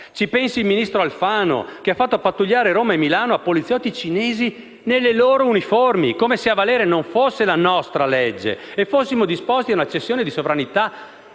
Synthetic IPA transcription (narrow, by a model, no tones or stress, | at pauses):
t͡ʃipɛnsiilminist̪ɾoalfaːno̰keafːat̪ːopat̪ːuʎːaːɾeɾoːmaemːilaːnoapːolit̪sːjɔt̪ːit͡ʃineːzi | nelːeloːɾouniformḭkoːmeseavalɛːɾenoɱfosːelanɔst̪ɾaled͡ʒːḛefosːimod̪ispost̪iaunat͡ʃːesːjoːned̪isovɾanit̪a